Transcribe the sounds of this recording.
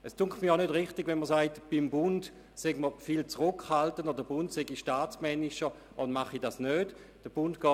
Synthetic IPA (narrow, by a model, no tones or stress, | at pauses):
ɛstuŋkmiɐaʊnødʁɪχtɪɡvɛnməsaɪtb̥imbʊnd | sɛɡməfilt͡sʁʊkʰhaltəndɔbədəbʊntseɡiʃtaːt͡smɛniʃə | ʔʊndmaχidasnøːd | d̥əb̥ʊntɡ̥ɔː